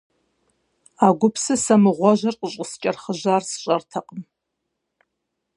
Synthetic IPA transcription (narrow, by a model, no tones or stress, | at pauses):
aːɡʷʊpʰsɨsɐmɨʁʷɔʒɐrqʼəɕʼəst͡ʃʼɐrχəʑaːrsɨ̥ɕʼɐrtʰɐqʼəm